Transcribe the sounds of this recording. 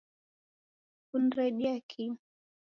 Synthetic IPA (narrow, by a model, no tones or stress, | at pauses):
kuniɾaɗiakʰi